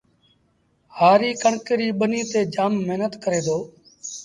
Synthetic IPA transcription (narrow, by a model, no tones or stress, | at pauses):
haːɾiːkəɳkəɾiːɓəniːt̪eːd͡ʒaːmːeɦnət̪kəɾeːd̪oː